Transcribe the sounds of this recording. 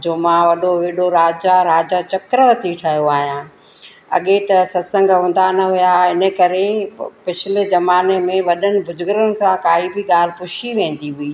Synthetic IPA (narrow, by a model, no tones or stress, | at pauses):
d͡ʑoːmãːʋɐɗoʋeːɗoɾaːd͡ʑaɾaːd͡ʑat͡ɕɐkɾəʋɐt̪iʈʰɐjoaːɦijãː | ɐ̰ɠet̪ɐsɐsə̃ŋɡɦʊ̃ːn̆d̪anɐɦʊjaɪnə̆kɐɾepɪt͡ɕʰɪlezɐmaːnemẽʋɐɗənɪ̆bʱʊd͡ʑʊɡɾənɪ̆kãkaːɦibɪɠaːl̤ɪ̆pʊʃiʋẽːn̆d̪iɦʊiː